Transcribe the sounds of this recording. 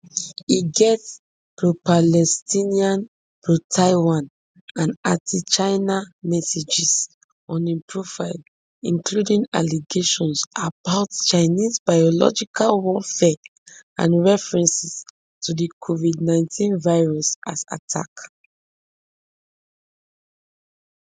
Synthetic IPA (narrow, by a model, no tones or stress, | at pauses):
iɡɛts | pɹopalɛstĩniãn | pɹotʰaɪwãn | ãnãtʰit͡ʃaɪnamɛsed͡ʒis | ɔ̃nĩmpʰɹofaɪl | ĩŋkludĩŋa̰liɡeʃɔ̃nsabaʊtt͡ʃaɪnizbajɔlɔ̰d͡ʒikʰalwɔlfɛã̰nɹɛfɹɛ̃nsis | tʰudikʰovidnãɪ̃ntʰĩnvaɪɹɔsasa̰tʰa̰k